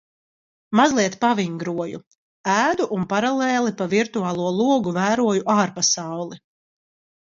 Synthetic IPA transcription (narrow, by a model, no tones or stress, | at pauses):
mazlˠiɛt̪paviŋɡɾuɔjṵ | æːd̪uʔːnpaɾalɛːlˠipaviɾt̪uaːlˠuɔlˠuɔɡuvæːɾuɔjuʔaːɾpasawlˠi